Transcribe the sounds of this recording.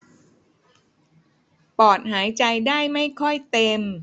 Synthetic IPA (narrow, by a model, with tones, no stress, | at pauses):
pɔː˨˩t̪̚ɦaː˩˦jt͡ɕa˧jdaː˥˩jma˥˩jkʰɔ˥˩jt̪e˧m